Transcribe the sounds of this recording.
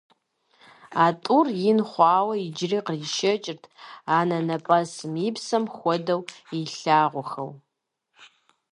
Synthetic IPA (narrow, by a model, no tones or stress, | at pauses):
aːtʼurjɪnχʷɑːwɐid͡ʒriːqəriʃɐt͡ʃʼɪrtʰaːnɐnɐpʼɐsɨmipsɐmxʷɔdɐwiɬaːʁʷʊxɐ̰w